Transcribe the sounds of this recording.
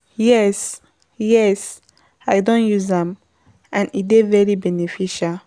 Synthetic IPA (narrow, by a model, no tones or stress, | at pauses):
jɛs | jɛs | aɪdõnjuzɛ̃m | ʔãnitdevɛɹibɛnefiʃal